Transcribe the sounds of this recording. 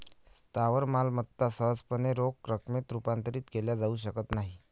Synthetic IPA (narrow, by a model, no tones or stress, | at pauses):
st̪aʋəɾmalmət̪ːasəɦəd͡zpəneɾokɾəkʰmet̪ɾupant̪əɾiːt̪keljad͡zauːɕ̬əkət̪naɦi